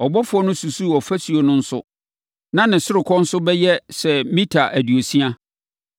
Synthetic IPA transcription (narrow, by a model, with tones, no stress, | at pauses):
ɔ˨bɔ˦fʊ˨ɔ˦nʊ̃˦su˨su˦˨ɔ˨fæ˦su˨o˨nʊ̃˦n̩˦sʊ̰˦ | nã˦nɪ̃˨sʊ˦ɾɪ˨kʰɔ̃˦n̩˦sʊ˦bɛ˦jɛ˦sɛ˨mĩ˦tʰa˨ʔæ˨di˨o˨si˦a˦